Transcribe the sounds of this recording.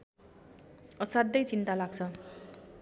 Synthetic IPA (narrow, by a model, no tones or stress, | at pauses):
ʌsad̪ːʌjt͡sint̪alaɡt͡sʰʌ